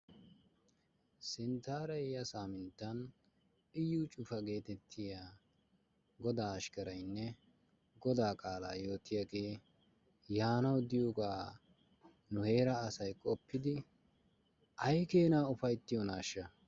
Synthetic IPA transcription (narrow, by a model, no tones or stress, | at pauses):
sɪnt̪aːɾɐjɐsaːmɪnt̪ːɐn | ɪjːut͡ʃʼʊfɐɡe̞ːt̪ɛt̪ʰːɪjaː | ɡɔd̪aːɐʃkɐɾɐjnːɛ | ɡɔd̪aːkʼaːla̰ːjo̞ːt̪ɪjaɡeː | jaːnɐwd̪ɪjoːɡaː | nʊhe̞ːɾɐːsɐjkʼɔpːɪd̪ɪ | ʔɐjkeːnaːʊfɐjt̪ːɪjɔnaːʃːɐ